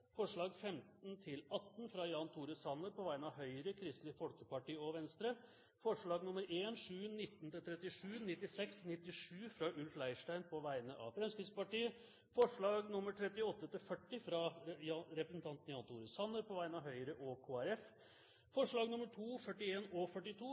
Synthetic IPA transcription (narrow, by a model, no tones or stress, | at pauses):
fɔʂɭɑːɡfɛmt̪nt̪ʰɪlɑt̪ːnfɾɑjɑːnt̪ʰuːɾəsɑnəɾpɔʋæɪənɑʋɦœʏɾəkʰɾɪst̪lɪfɔlkəpɑʈiːəɔʋɛnst̪ɾə | fɔʂɭɑːɡnʊməɾeːnʂʉːnɪt̪ːnt̪ɪlt̪ʰɾɛt̪ːɪʂʉːnɪt̪ːɪsɛksnɪt̪ːɪʂʉːfɾɑʔʉlflæɪʂʈæɪnpʰɔʋæɪənəʔɑ̰ʋfɾɛmskɾɪspɑʈiːə | fɔʂɭɑːɡnʊməʈ̪ʰɾɛt̪ɪɔt̪ːət̪ɪlfœʈːɪfɾɑjɾɛpɾəsn̩t̪ɑnt̪n̩jɑːnt̪ʰuːɾəsɑnːəɾpɔʋæɪnɑʋɦœʏɾəʔɔkʰoːæɾɛf | fɔʂɭɑːɡnʊməʈʰuːfœʈːɪeːnɔfœʈːɪt̪ʰuː